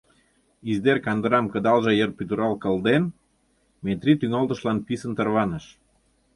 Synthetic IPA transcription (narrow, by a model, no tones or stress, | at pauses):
izd̪erkɑnd̪əɾɑmkə̆d̪ɑlʒɤjərpyd̪əɾɑlkə̆ld̪en | met̪ɾʲit̪yŋɑlt̪ə̆ʃlɑnpisənt̪ərβɑnəʃ